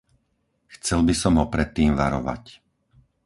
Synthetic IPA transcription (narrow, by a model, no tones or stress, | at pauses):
xt͡sɛlbisɔmɦɔpɾɛt̪ːiːmʋaɾɔ̰ʋa̰c